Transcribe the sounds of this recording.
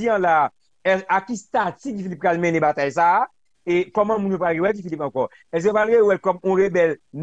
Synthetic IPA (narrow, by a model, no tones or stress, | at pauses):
iãla | ɛakist̪at͡sik̬ifilip̚kalmɛ̃nɛ̃bat̪ajs̬aː | ekɔmãmũnjopɣalɣewɛk̬ifilipɑ̃kɔ | ɛs̬eopɣalɣewɛlkɔmɔ̃ʁebɛln